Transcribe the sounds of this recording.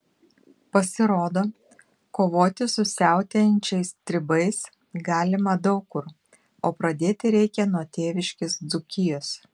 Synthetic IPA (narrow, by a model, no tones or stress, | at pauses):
pɐsʲɪɾoːd̪oː | koːʋoːt̪ʲɪsʊsʲæˑʊt̪ʲɛnʲt͡ʃʲɛɪst̪ʲɾʲɪbɐɪs | ɡɑːlʲɪmɐd̪ɐʊkːʊɾ | oːpɾɐd̪ʲeːt̪ʲɪɾʲɛɪkʲɛnuɔt̪ʲeːʋʲɪʃʲkʲɪsd̪zʊkʲɪjoːs